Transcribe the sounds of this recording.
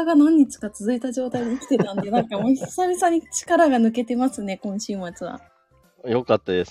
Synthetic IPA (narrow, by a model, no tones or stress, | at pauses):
aɡanõɲ̟ːit͡ɕɨ̥kat͡sɨzɨit̪aʑo̞ːt̪aid̪okʲi̥t̪e̞t̪ãnd̪e̞nãŋkamosamʲisaɲ̟it͡ɕi̥kaɾaɡanɯ̟k̬e̞t̪e̞masɨne̞kõ̞ɰ̃ɕɨːmat͡sɨβa̰ | jo̞kat̪ːad̪es